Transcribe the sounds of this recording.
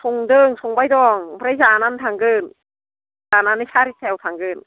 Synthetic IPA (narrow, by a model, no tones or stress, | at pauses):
sʰoŋdɤːŋsʰoŋbajdɔːŋpʰɾasaːnant̪ʰaːŋkɤːn | taːnanːat͡ɕʰaːtʰit̪ʰɛːwt̪ʰaːŋkɯːn